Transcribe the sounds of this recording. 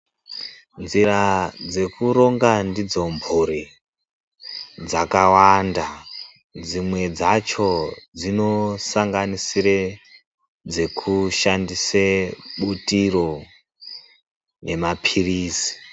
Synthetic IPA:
nzirad͡ze̞kuɾo̞ŋɡandid͡zo̞mbʱuɾi | d͡zakawanda | d͡zimwe̞d͡zat͡ʃo̞d͡zino̞saŋɡanisire | d͡ze̞kʰuʃandiseɓutiro̞ | ne̞mapʰiriːsi̥

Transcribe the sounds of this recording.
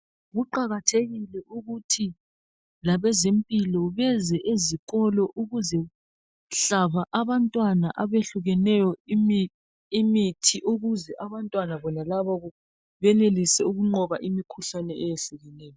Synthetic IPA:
ɣuǃaɣatʰeɣilɛʔuɣutʰi | laβɛzempʼilɔβɛzɛʔeziɣɔlɔʔuɣuzɛ | ɬaβaʔaβantʼwanaʔaβeɬuɣɛnɛjɔim | imitʰiʔoɣuzɛʔaβantʼwanaβɔnalaβaɣɔ | βɛnelisɛuɣuŋ͡ǃɔβaʔimikʰuɬanɛɛjeɬuɣɛnɛːjɔ

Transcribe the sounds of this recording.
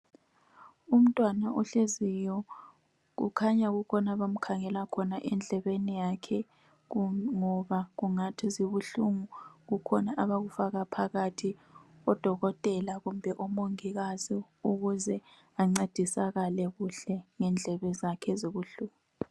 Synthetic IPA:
um̩tʼwanaʔuɬezijɔ | ɣṵkʰaɲaɣukʰɔnaβam̩kʰaŋɛlakʰɔnaʔɛnd͡ɮʱɛβenijakʰɛ | ŋɔβaɣuŋatʰiziβuɬuŋuɣukʰɔnaʔaβaɣufaɣapʰaɣatʰiɔd̥ʱɔɣɔtʼɛlaɣum̩bʱɛʔɔmoŋiɣazi | uɣuzɛ | aŋ͡ǀed̥ʱisaɣalɛɣuɬɛŋɛnd͡ɮʱɛβɛzakʰɛziβuɬuːŋuu

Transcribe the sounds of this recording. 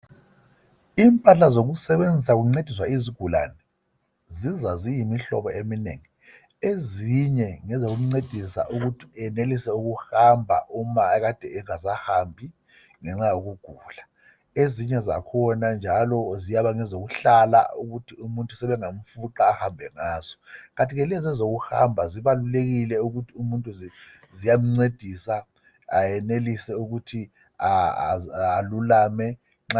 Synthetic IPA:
iːmpʼaɬazoɣusɛβend͡zʱis̬aɣuŋ͡ǀed̥ʱiswaiziɡ̥ʱula̰nɛ | zizazijimiɬɔ̰βɔemineŋi | eziɲɛŋɛzoɣum̩ŋ͡ǀed̥ʱisa̰ʔuɣutʰi̥ɛnelisɛuɣuhambʱa̰ʔumaɣad̥ʱɛɛŋazahambʱi | ŋɛŋ͡ǁajoɣuɡ̥ʱula | eziɲɛza̰kʰɔnand͡ʒʱalɔzijaβaŋɛzoɣuɬala̰uɣutʰiumuntʼusɛβɛŋom̩fuǃaːhambʱɛŋaːz̥ɔɣantʼiɣɛlɛzɛzoɣuha̰mbʱaziβaluleɣilɛuɣutʰiumuntʼuzi | zijam̩ŋ͡ǀed̥ʱisa | ajɛnelisɛuɣutʰi | aː | lulaːmɛ | ŋ͡ǁ

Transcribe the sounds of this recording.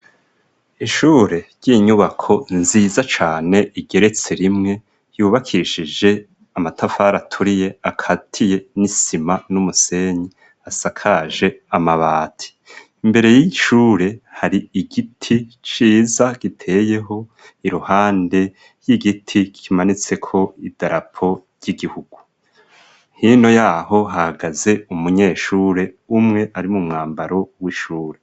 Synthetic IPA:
iʃuːɾe̞ɾɟ̥iɲuβakʰo̞nziːzat͡ʃaːne̞ʔiɡe̞ɾe̞t͡se̞ɾimŋe̞ | juːβakʰiʃid͡ʒe̞ | amatʰafaːɾatʰuɾije̞akʰatʰije̞nisimanumuse̞ɲi | asakʰaʒe̞amaβaːtʰi̥ | imbe̞ɾe̞jiʃuːɾe̞haɾiiɡitʰit͡ʃiːzaɡ̥itʰe̞ːje̞ɦo̞ | iɾuhaːnde̞ | jiɡitʰikʰimanit͡se̞kʰo̞id̥aɾapʰo̞ɾɟiɡihuɡ̥u | hino̞jaːho̞ɦahaɡaze̞umuɲe̞ːʃuːɾe̞ | umŋe̞ʔaɾimumŋaːmbaɾo̞wiʃuːɾe̞

